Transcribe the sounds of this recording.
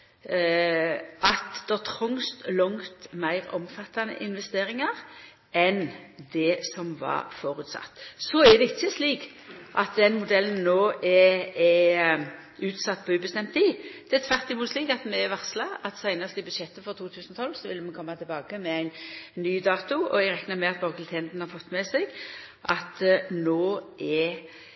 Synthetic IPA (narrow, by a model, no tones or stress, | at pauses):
ɑt̪d̪̥ɛt̪ʰʁʊŋst̪lɔŋt̪mæɪʁɔ̰mfɑt̪ːɑnə̰ʔɪnʋɛst̪eːɾɪŋɑʁ | ʔɛnd̪ɛsɔmʋɑ̰foːɾʉːt̪sɑ̰t̪ːsɔɛd̪ɛɪt͡ʃːəsliːk | ʔɑt̪̚d̪ɛnmʊd̪ɛlːən̩noːʔɛɛ | ʉːt̪sɑt̪ːpʰɔʉːbəst̪ɛmt̪t̪iːd̪̥ɛɛt̪ʰʋæʁt̪ɪmuːt̪sliːkɑt̪mɛʋɑʁslɑɑt̪sæɪnəst̪ɪbʉd̪ʃɛt̪ːəfɔɾt̪ʰuːt̪ʰʉːsnɔt̪ʰɔlːsɔʋɪlːəmɛnkʰɔmːɑt̪ʰɪlbɑːkəmɛæɪnːyːd̪ɑːt̪ʊɔ̰ɛɡɾɛknəmɛɑt̪bɑːklt̪ʰɛnd̪n̩hɑɾfɔt̪ːmɛsɛɪɡ | ʔɑt̪noːʔɛ